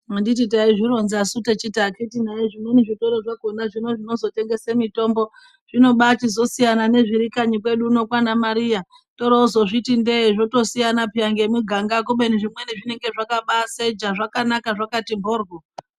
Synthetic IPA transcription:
mandit̬it̬aiʐiro̞nzasutet͡ʃitakitinaiʐimweniʐito̞ɾoʐaɡʱonaʐino̞ʐino̞zo̞te̞ŋɡe̞semito̞mbo̞ | ʐ̥ino̞ɓat͡ʃizo̞sijanane̞ʐiɾikaɲikwe̞ɗuːno̞kwanamaɾija | to̞ɾauzo̞ʐitindeʐo̞to̞sijanapiaŋɡemuɡʱaŋɡakuɓe̞niʐimweniʐineŋɡe̞ʐakaɓased͡ʒaʐakanakaʐakatimbʱoːrɡo

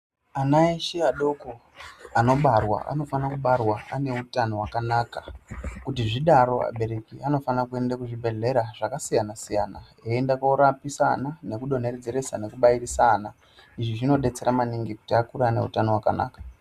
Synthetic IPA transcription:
anaeʃiaɗo̞ko | ano̞ɓarwa̰ʔa̰no̞fanakuɓarwaane̞utano̞wakanaːkakutiʐiɗaɾo̞a̰ɓe̞ɾe̞kiano̞fanakue̞ndakuʐibʱe̞ɮe̞ɾaʐ̥akasijanasijana | eːndakoɾapisanane̞kuɗo̞ne̞red͡zeɾe̞sane̞kuɓairisana | iʐiʐino̞ɗe̞t͡se̞ɾamaniŋɡiku̥tiakuɾaːne̞̰ṵtano̞wakana̰ːkḁ

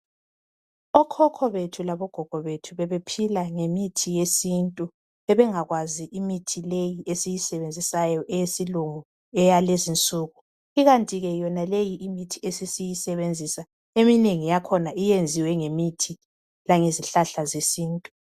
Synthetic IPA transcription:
ɔkʰɔkʰɔβetʰulaβɔɡ̥ʱɔɡ̥ʱɔβetʰuβɛβepʰilaŋemitʰijesintʼu | ɛβɛŋaɣwaziʔimitʰilejiʔesijisɛβend͡zʱisajɔʔɛjesiluŋu | ɛjalezint͡sʼuːɣu | iɣantʼiɣɛjɔnalejiʔimitʰiesisijisɛβend͡zʱisa | emineŋijakʰɔnaʔijend͡zʱiwɛŋemitʰi | laŋeziɬaɬazesiːntʼu̥

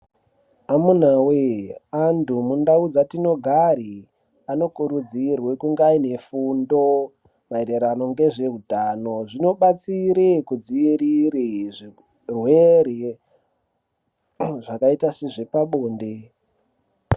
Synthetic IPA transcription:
amun̤aweandumundaud͡zatino̞ɡʱaɾi | ano̞kuɾud͡zirwe̞kuŋɡaine̞fundo̞ | maeɾeɾano̞ŋɡe̞ʐe̞ɦutano̞ʐino̞ɓat͡siɾekud͡ziiɾiɾiʐi | rweɾe | ʐakaitaseʐe̞paɓoːnde

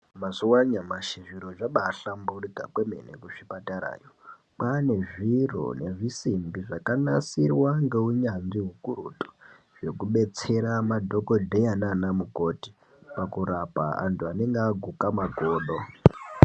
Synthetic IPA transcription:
masuwaɲamaʃiʐiɾoʐaɓaːɬamburikakwemenḛkuʂipataɾa̰ːjo | pane̞ʐiro̰ne̞ʐisimbiʐakanasirwaŋɡe̞uɲanziɦukuruto̥ | ʐ̥e̞kuɓe̞t͡se̞ɾamadʱo̞ko̞dʱejananamuko̞ti̥ | pakuɾapa̰a̰ntʰuaneŋɡeaɡʱukamaɡʱo̞ːɗo

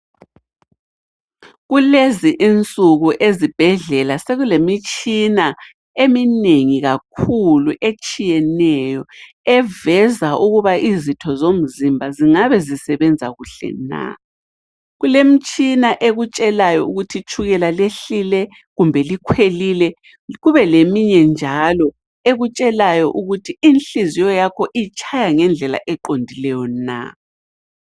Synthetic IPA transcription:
ɣuleziʔint͡sʼuɣuʔezib̥ʱɛɮɛlaseɣulemit͡ʃʼina | emineŋiɣakʰuluʔet͡ʃʼijɛnɛjɔ | ɛvɛzaʔuɣuβaizitʰɔzom̩zimbʱaziŋaβɛzisɛβɛnd͡zʱaɣuɬɛ̰na̰ | ɣulem̩t͡ʃʼinaʔeɣut͡ʃʼɛlajɔuɣutʰit͡ʃʰuɣɛlaleɬilɛ | ɣumbʱɛlikʰwelilɛ | ɣuβɛlemiɲɛnd͡ʒʱalɔ | eɣut͡ʃʼɛlajɔʔuɣutʰiinɬizijɔjakʰɔʔit͡ʃʼʰajaŋɛnd͡ɮʱɛla̰ʔɛǃondʱilɛjɔna̰

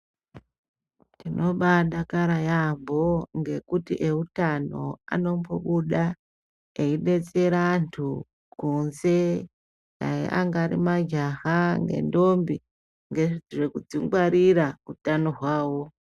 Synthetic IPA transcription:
tino̞ɓaɗakaɾajambo̞ŋɡe̞kutḭʔe̞utano̞̰a̰no̞mboɓuɗa | eiɗe̞t͡se̞ɾantʰu | kunze̞ | ja̰jḛʔaŋɡaɾḭmad͡ʒaɦaŋɡe̞̰ndo̞mbi | ŋɡeid͡ziʐekud͡ziŋɡwaɾiɾautano̞ɦwaːwo̞

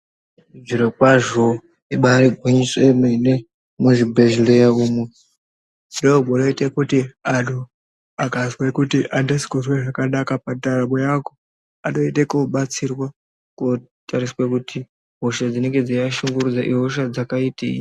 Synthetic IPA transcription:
d͡ziɾokwaʐo | iɓaɾiɡʱuɲiswemene | muʐibʱeʒilejaumwe | zidobʱoloitekutiaɗo | akaswekutiʔandesi̥kozweʐakanakapantaɾamojako | ano̞itekoɓat͡sirwa | ko | taɾiswekuti | ɦoʃad͡zine̞ŋɡed͡zajaʃuŋɡuɾud͡zaʔiɦoʃ̬ad͡zakaitḛḭ

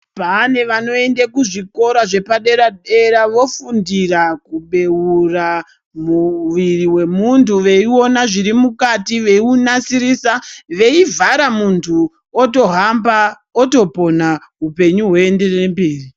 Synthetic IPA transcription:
pane̞ʋano̞e̞ndekuʐiko̞ɾaʐe̞paɗe̞ɾaɗe̞ɾaʋo̞fundirakuɓe̞ura | muʋiriwe̞muntʰuʋe̞io̞naʐiɾimukatiʋe̞unasiɾisaʋe̞ivʱaɾamuntʰu | oto̞ɦamba | oto̞po̞na | ɦupe̞ɲuɦweːnde̞rembiːri

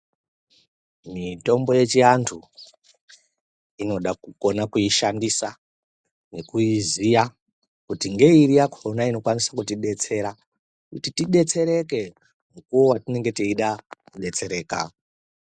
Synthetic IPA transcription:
mito̞mbo̞je̞t͡ʃiantʰu | ino̞ɗakuko̞nakuiʃandisa | ne̞kuizija | kutiŋɡe̞iɾijakoronaino̞kwanisakutiɗe̞t͡se̞ɾa | kutitiɗe̞t͡se̞ɾe̞ke̞ | mukuwowatine̞ŋɡe̞tiiɗakuɗe̞t͡se̞ɾe̞ːka̰

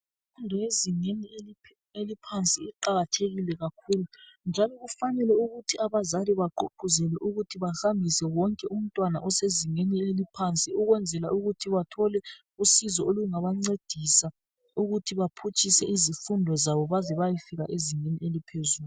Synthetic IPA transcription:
fundʱɔeziŋenieli | elipʰant͡sʼiiǃaɣatʰeɣilɛɣakʰuːlund͡ʒʱalɔɣufanɛlɛuɣutʰiaβazaliβaǃoǃuzɛlɛʔuɣutʰiβaɬambʱisɛwɔŋkʼɛʔum̩tʼwana̰ʔɔseziŋenielipʰant͡sʼiuɣwɛnd͡zʱɛlaʔuɣutʰiβatʰɔlɛ | usizɔoluŋaβaŋ͡ǀed̥ʱisa | uɣutʰiβapʰut͡ʃʼisɛʔizifundʱɔzaβɔβazɛβajifiɣa̰ʔeziŋenielipʰezuːl

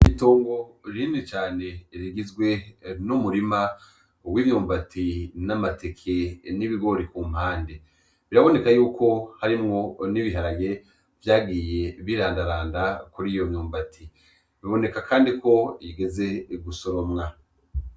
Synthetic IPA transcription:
itoːŋɡo̞ɾinet͡ʃaːne̞ɾiɡizɡwe̞numuɾima | wimɲuːmbatʰinamate̞kʰeniβiɡo̞ɾikum̥haːnde | βiɾaβo̞ne̞kajuːkʰo̞haɾimŋo̞niβiɦaɾaje̞ | vjaːɡiːje̞βiɾaːndaɾaːndakuɾijo̞mɲuːmbatʰi | βiβo̞ne̞kakʰaːndiko̞jiɡe̞ze̞ɡuso̞ɾomŋa

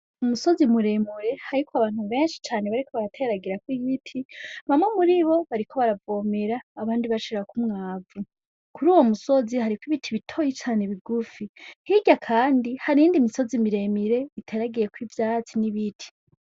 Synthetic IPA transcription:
umuso̞zimuɾe̞muɾe̞haɾikwaβaːn̥huβe̞ːnʃi̥t͡ʃaːne̞βaɾiko̞βaɾatʰeɾaɡiɾakwiβitʰiβamŋemuɾiβo̞βaɾikʰo̞βaɾavo̞meɾaːβaːndiβaʃiɾakumŋaːvu | kuɾuːwo̞muso̞zihaɾikwiβitʰiβitʰo̞jit͡ʃaːne̞βiɡufihiɟakʰaːndihaɾiːndimiso̞zimiɾe̞miɾe̞itʰeɾaɡije̞kwiːvjat͡siniβitʰi̥

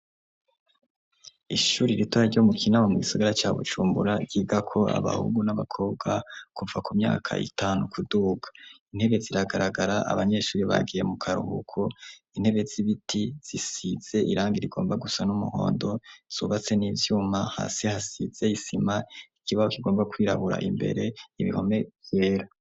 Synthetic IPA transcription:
iʃuːɾiɾitaaɾɟo̞mukʰinamomuɡisaɡaɾat͡ʃaːβṵd͡ʒuːmbṵɾaɟ̥iːɡakʰo̞a̰βa̰hṵɡunaβakʰo̞ːbɡakuvakumɲa̰ːkʰa̰ʔḭtʰaːnukʰuduːɡḁin̥he̞βe̞ziɾaɡaɾaɡaɾaʔa̰βaɲe̞ʃuːɾiβa̰ɡije̞mukʰaɾṵhṵkʰoin̥he̞βe̞ziβitʰiz̥isiz̥e̞ʔiɾaːŋɡiɾiɡo̞ːmbaɡusanumuho̞̰ːndo̞z̥ṵːβat͡se̞niːvjuːmaha̰ːsihasiz̥e̞isimaikʰiβahokiɡo̞ːmbakwiːɾa̰βuɾa̰ʔimbe̞̰ɾe̞iβḭho̞̰me̞vje̞ːɾa

